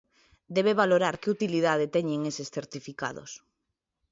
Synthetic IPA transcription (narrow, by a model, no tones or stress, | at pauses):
d̪ɛβeβaloɾaɾkɪut̪iliðað̞et̪ɛɲeŋesesθeɾt̪ifika̰ðo̰s